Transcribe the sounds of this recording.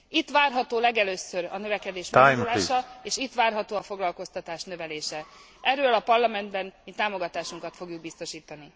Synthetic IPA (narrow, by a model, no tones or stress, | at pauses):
it̪ːʋaːrɦɒt̪oːlɛɡɛløːsøɾɒ̰nøvɛkɛd̪eːʃmajmlaːʃɒeːʃit̪ːʋaːrɦɒt̪oːɒfo̞ɡlɒlko̞st̪ɒt̪aːʃnø̞vɛleːʃɛ | ʔɛrøːlɒpɒrlɒmɛnd̪bɛnmit̪ːaːmo̞ɡɒt̪aːʃuŋkɒt̪fo̞ɡjuɡ̚bist̪o̞ʃiːt̪ɒni